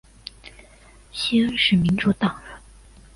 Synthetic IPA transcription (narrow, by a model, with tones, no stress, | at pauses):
ɕi˥ə˥ŋʂɻ̩˥˩mi˧˥nʈ͡ʂu˥˩t̪ɑ˨˩ŋə˧˥˦